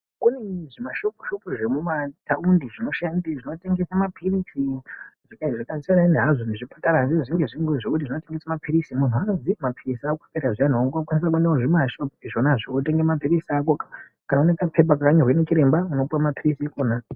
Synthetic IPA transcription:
kuneʐimaʃokoʃopoʐemumataundiʐino̞ʃandiʐino̞te̞ŋɡesamapʰirisiʐikaʐikazianaineɦaʐo̞neʐipḁtaɾaanziʐiŋɡeʐiŋɡweʐekutiʐino̞te̞ŋɡesamapʰiɾisimun̤uanozimapʰirisiakḁpeɾaʐian̤aokakwanis̬akuenaoʐimaʃopiʐonaʐoote̞ŋɡemapiɾisiak̬okḁ | kanaunet͡sapʰe̞p̬akakaɲorwenet͡ʃiɾe̞mbauno̞puwamapʰirisiikona

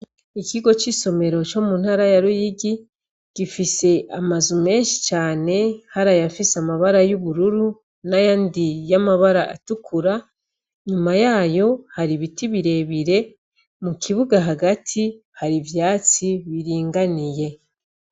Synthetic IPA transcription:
ikʰiɡo̞t͡ʃiso̞me̞ɾo̞t͡ʃo̞muːn̥haːɾajaɾujiɡi | ɡ̥ifise̞ʔamazume̞ːnʃi̥t͡ʃaːne̞haɾajafisamaβaɾajuβuɾuɾu | najaːndijamaβaɾaʔa̰tukʰuɾa | ɲumajaːjo̞haɾiβitiβiɾe̞βiɾe̞ | mukʰiβuɡaɦaɡatʰi | haɾivjaːt͡siβiɾiːŋɡanije̞

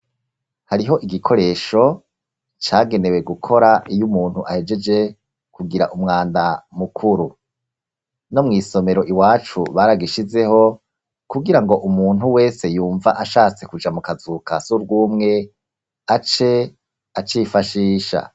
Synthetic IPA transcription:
haɾiɦo̞ʔiɡikʰo̞ɾe̞ːʃo̞ | t͡ʃaːɡe̞ne̞we̞ɡukʰo̞ɾaijumuːn̥huʔahe̞d͡ʒe̞d͡ʒe̞ | kuɡiɾa̰ʔumŋaːndamukʰuɾu | no̞mŋiːso̞me̞ɾo̞ʔiwaːt͡ʃṵβaɾaɡiʃize̞ho̞ | kuɡiɾaŋɡo̞ʔumuːn̥huwe̞ːse̞juːɱvaʔaʃaːt͡se̞kud͡ʒamukazukasuɾɡuːmŋe̞ | at͡ʃe̞ | at͡ʃiːfaʃiːʃa̰

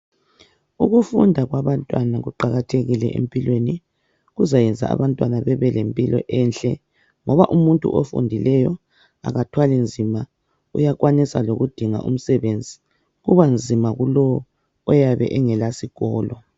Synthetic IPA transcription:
uɣufundʱaɣwaβantʼwanaɣuǃaɣatʰeɣilɛ̰ʔḛmpʼilweni | ɣuzajɛnd͡zʱa̰a̰βantʼwanaβɛβɛlempʼilɔ̰ʔɛnɬɛ | ŋɔβaʔumuntʼṵʔofṵndʱilɛjɔ | a̰ɣatʰwalind͡zʱima | ṵjakwanisa̰loɣud̥ʱiŋa̰ʔṵm̩sɛβend͡zʱi | ɣuβand͡zʱimaɣulɔ | ɔjaβɛ̰ʔɛŋɛlasiɣɔːlɔ

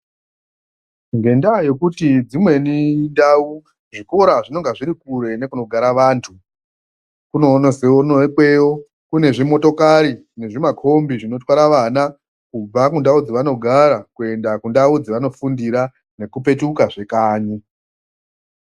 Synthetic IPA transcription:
ŋɡe̞ndaje̞kutid͡zimwe̞nindau | ʐiko̞ɾaʐino̞ŋɡaʐiɾikuɾe̞ne̞kuno̞ɡʱaɾaʋaːntʰu | kuno̞ːnoseonokwe̞o | kune̞ʐimo̞to̞kaɾi | ne̞ʐimakʰo̞mbiʐino̞twaɾaʋana | kub͡vakundaud͡ziʋano̞ɡʱaɾakue̞ndakundaud͡ziʋano̞fundiɾa | ne̞kupe̞tukaʐe̞kaːɲi

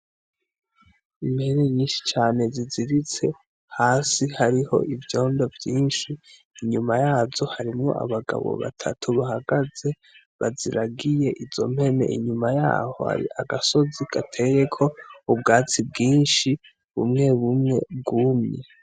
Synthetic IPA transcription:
imhe̞ne̞ɲiːnʃi̥t͡ʃaːne̞ziziɾit͡se̞ | haːsihaɾiho̞̰ʔivjo̞ːndo̞vjiːnʃiː | ɲumajaːzo̞haɾimŋo̞̰a̰βaɡa̰βo̰βa̰tʰa̰tʰuβahaɡaze̞ | βa̰ziɾaɡije̞ʔizo̞̰m̥he̞ne̞̰ʔḭɲumaja̰ːho̞̰ha̰ɾḭaɡaso̞ziɡ̥atʰe̞je̞kʰo̞ub̚ɡaːt͡sib̚ɡiːnʃi | βṵmŋe̞βumŋe̞b̚ɡumɲḛ

